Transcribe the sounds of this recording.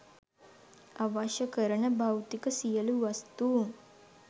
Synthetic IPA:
aʋaːʃəkəɾənəbʱawt̪ikəsijəluʋɐst̪uŋ

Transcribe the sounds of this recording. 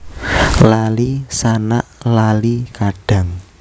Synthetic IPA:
lalisanaʔlalikaɖ̥ä̤ŋ

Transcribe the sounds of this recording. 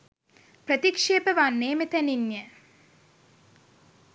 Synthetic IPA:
prət̪ikʂeːpəʋanːeːmet̪æninjə

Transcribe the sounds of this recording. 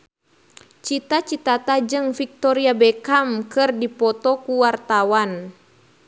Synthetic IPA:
t͡ʃit̪at͡ʃit̪at̪ad͡ʒɨŋfik̚t̪ɔɾiabɛkamkɨrdipɔt̪ɔkuwart̪awan

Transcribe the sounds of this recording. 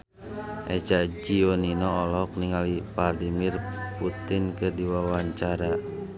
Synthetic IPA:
ʔɛt͡ʃad͡ʒioninɔːlɔk̚niŋalipardimirput̪inkədiwawaɲt͡ʃaɾa

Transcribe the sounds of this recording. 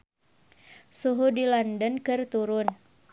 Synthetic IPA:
suɦudilɔndənkɨrt̪uɾʊn

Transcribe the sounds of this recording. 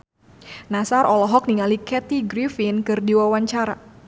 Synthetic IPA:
nasaɾʔɔlɔɦɔk̚niŋalikɛt̪iɡɾifinkɨrdiwawaɲt͡ʃaɾa̰

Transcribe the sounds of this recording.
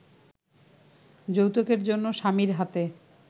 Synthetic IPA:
d͡ʑowt̪okeɾd͡ʑonːoʃamiɾɦat̪e

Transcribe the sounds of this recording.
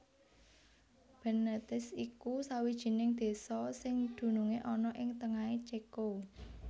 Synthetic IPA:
b̥ə̤nət̪ɪsikusawid̥ʒ̥i̤nɪŋd̪̥e̤sɔsɪŋd̪̥ṳnuŋeʔɔnɔʔɪŋt̪əŋaet͡ʃeko

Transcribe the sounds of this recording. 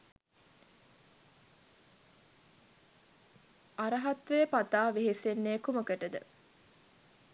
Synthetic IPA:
aɾɐɦat̪ʋejəpat̪aːʋiɦisenːeːkuməkəʈəd̪ə̰

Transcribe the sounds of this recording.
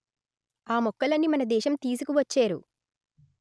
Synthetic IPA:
aːmɔkːɐlɐnːimɐnɐd̪ɛːʃɐmt̪iːs̬ukuʋɐt͡ʃːeːɾṵ

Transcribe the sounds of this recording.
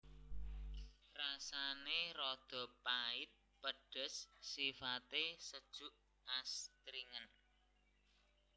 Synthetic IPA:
rasanerɔd̪̥ɔ̤paɪt̪̚pəɖ̥ə̤sːifat̪esəd̥ʒ̥uʔ | ast̪ɾiŋən

